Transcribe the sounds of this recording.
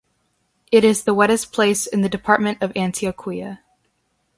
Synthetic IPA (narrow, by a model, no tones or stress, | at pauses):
ɨɾɪzðəwɛɾɨspʰl̥eɪsɨ̃nðɨdɨpʰɑɹt̚mɨ̃ntʌvæ̃ntʰiɨkʰw̥iɨ